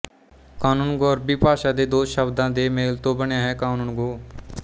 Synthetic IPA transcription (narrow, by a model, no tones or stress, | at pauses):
kaːnuːnɡoɔɾbɪpaːʃad̪ed̪oːʃəbd̪ãːd̪emeːlt̪obənjaɦɛkaːnuːnɡoː